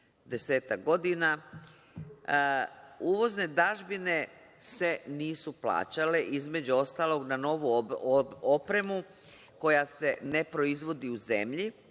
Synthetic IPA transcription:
d̪e̞se̞ːt̪ak̚ɡo̞d̪ina | uːʋo̞zne̞d̪aʒbine̞ | se̞niːsuplˠa̰ːt͡ɕale̞ʔizme̞d͡ʑuo̞st̪aːlˠo̞ɡnano̞ʋu | opɾe̞mu | ko̞jase̞ne̞pɾo̞izʋo̞d̪iuze̞mʎi

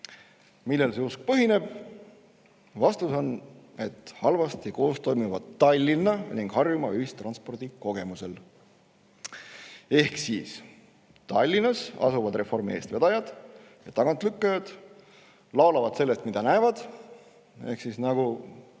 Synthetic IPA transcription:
milːelseusk̚pɤɦine̞b̥̚ | vɑst̪uso̞ne̞t̪ːˑhɑlvɑst̪ɑko̞ːst̪o̞jmivɑd̪ːɑlʲːinːɑniŋɡ̥hɑrjumɑyhist̪rɑnspo̞rd̪̥iko̞ɡ̥e̞muse̞l | e̞hksis | t̪ɑlʲːinɑsɑ̰suvɑd̪re̞fo̞rmie̞ːst̪ve̞d̪ɑjɑd̪̥ | jɑt̪ɑɡ̥ɑnt̪ˑlykːɑjɑd̪̥ | lɑolɑvɑd̪se̞lːe̞st̪mid̪̥ɑnæːvɑd̪̥ | e̞hksisnɑɡ̥u

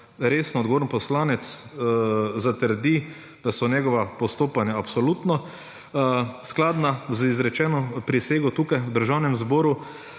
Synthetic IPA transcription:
ɾeːsnɔːd̪ɡoɔʋoːɾnpɔslaːnɛt̪s | zat̪əɾd̪i | d̪̥asɔnjɛɡɔʋapɔst̪oːpanjaapsɔlut̪nɔ | sklaːd̪nazizɾɛt͡ʃɛːnɔpɾiseːɡɔt̪uːkajwd̪əɾʒawnɛmzbɔːɾu

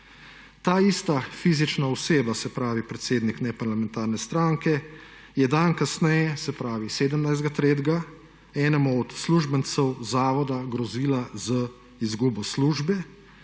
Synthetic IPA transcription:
t̪aːiːst̪afiːzit͡ʃnaɔseːbasɛpɾaːʋipɾɛt̪seːd̪niknɛpaɾlamɛ̃nt̪aːɾnɛst̪ɾaːŋkɛ | jɛd̪ankasnɛjɛsɛpɾaːʋiseːd̪əmnajzd̪ɡat̪ɾeːd̪ɡa | ɛːnɛmɔɔt̪sluːʒbənt̪sɛwzaːʋɔd̪aɡɾɔziːlazə | izɡuːbɔsluːʒbɛ

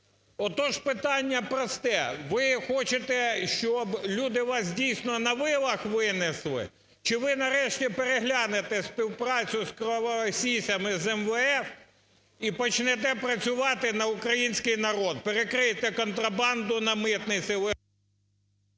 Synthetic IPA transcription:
ɔt̪ɔʒpɪt̪ɑnʲːɐpɾɔst̪ɛʋɪxɔt͡ʃet̪ɛʃt͡ʃɔblʲud̪ɪʋɑs̬dʲijsnɔnɐʋɪjɐʋˠɐxʋɪneslˠɪ̰ | t͡ʃɪʋɪnɐɾɛʃtʲipeɾeɦlʲɑnet̪ɛspʲiwpɾɑt͡sʲʊskɾɔɔsʲijsʲɐmɪzɛmʋɛɛf | ipɔt͡ʃnɛt̪ɛpɾɐt͡sʲʊʋɑt̪ɪnɐʊkɾɐjinʲsʲkɪjnɐɾɔd̪̚peɾekɾɪjet̪ɛkɔnt̪ɾɐbɑnd̪ʊnɐmɪt̪nɪt͡sʲɪʋɪ

